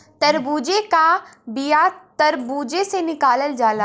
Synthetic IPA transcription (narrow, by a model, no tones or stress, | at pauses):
t̪ɐɾbuːd͡ʒekabijat̪ɐɾbuːd͡ʒesenɪkaːləld͡ʒaːlaː